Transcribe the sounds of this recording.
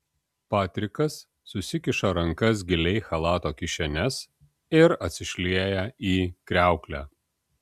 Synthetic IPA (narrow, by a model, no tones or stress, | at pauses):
pɑːt̪ʲɾʲɪkɐsː | ʊsʲɪkʲɪʃɐɾɐŋkɐs̬ɡʲɪlʲɛɪxɐlˠɑːt̪oːkʲɪʃʲɛnʲɛs | ɪɾɐt̪ʲsʲɪʃʲlʲiɛjɛiːkɾʲæˑʊklʲæː